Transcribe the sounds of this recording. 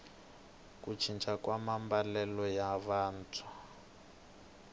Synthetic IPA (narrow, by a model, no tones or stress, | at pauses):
kut͡ʃʰint͡ʃʰakwamambalɛlɔjaβaːntʰu